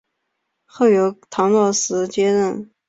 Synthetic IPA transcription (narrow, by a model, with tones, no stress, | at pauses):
xɤ˥˩jo˧˥ʊt̪ʰɑ˧˥ŋlɑ˥˩sɹ̩˧˥t͡ɕjɛ˥ɻə˥˩n